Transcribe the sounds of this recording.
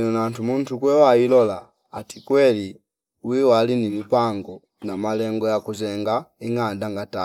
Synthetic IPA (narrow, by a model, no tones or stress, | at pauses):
nɔnantumun̩tukwɛwailɔlaː | tikwɛli | wiwalinimipaŋɡɔ | namalɛŋɡɔjakuzɛŋɡaiŋandaŋɡata